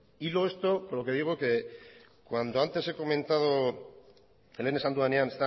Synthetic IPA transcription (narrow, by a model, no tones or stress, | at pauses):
iloest̪opoɾlo̞keðiɣ̞oke | kwand̪oant̪e̞se̞ko̞mẽnt̪að̞o | ele̞ne̞sand̪uanjanest̪a